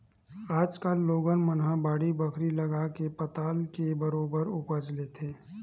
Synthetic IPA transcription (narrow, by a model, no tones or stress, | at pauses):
aːd͡ʒkəlːoːɡənmənɦãbaːɽibɐkʰɾilɐɡakepɐt̪aːlkebɐɾoːbəɾʊpəd͡ʒlet̪ʰeː